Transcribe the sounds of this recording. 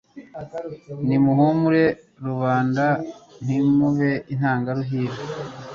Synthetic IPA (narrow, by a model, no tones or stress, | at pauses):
nimuɦumuɾe̞ | ɾuβaːndan̥imuβein̥haːŋɡaɾuɦiːɾe